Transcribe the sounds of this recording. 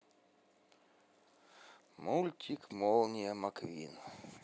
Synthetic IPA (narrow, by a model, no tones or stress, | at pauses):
mulʲt̪ʲikmɔlˠnʲiɛmakvʲḭːn